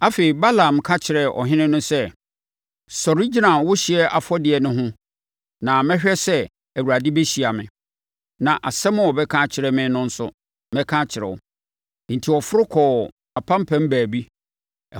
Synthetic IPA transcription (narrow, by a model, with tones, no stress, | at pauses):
a˦fe˨i˨ba˦lã˨m˨kʰa˦t͡ɕʰɪ˨ɾɛ˨ʔɔ̰˨ɦɪ̃˦nɪ̃˦nʊ̃˦sɛ˦ | sɔ˨ɾi˦d͡ʑi˦nã˨nwʊ˦ɕɪ˨ɛ˦ʔa˨fɔ˦dɪ˨ɛ˨nʊ̃˦ɦʊ̃˦ | nã˨mɛ̃˦ɕᶣɛ˦sɛ˦ | æ˨wu˨ɾa˨dɪ˦bɛ˦ɕi˨a˨mɪ̃˨ | nã˨ʔa˨sɛ˦mʊ̃˦ɔ˨bɛ˦kʰã˦t͡ɕʰɪ˨ɾɛ˨mɪ̃˦nʊ̃˦n̩˦sʊ̰˦ | mɛ̃˦kʰã˦t͡ɕʰɪ˨ɾɛ̰˨wʊ̰˨ | n̩˨tʰi˨ɔ˨fʊ˦ɾʊ˦kʰɔː˨ | a˨pʰã˦m˦pʰɛ̃˦m˦bæː˨bi˦˨